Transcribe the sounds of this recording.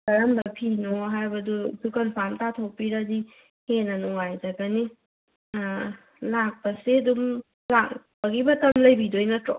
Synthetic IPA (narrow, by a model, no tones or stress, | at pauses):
kɐɾambɐpʰinɔɦajbɐdubukɐnpʰamtatʰɔpiɾazi | henɐnɔajzaɡani | lak̚pɐsidum | laŋ | bɐɡibɐtɐmlɐjbidojnɐtɾɔ